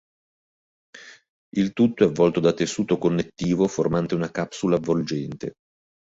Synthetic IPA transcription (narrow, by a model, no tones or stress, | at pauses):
ilt̪ut̪ːoɛvːɔlt̪od̪at̪ːesːuːt̪okonːet̪ːiːvoformant̪eunakapsulavold͡ʒɛnt̪e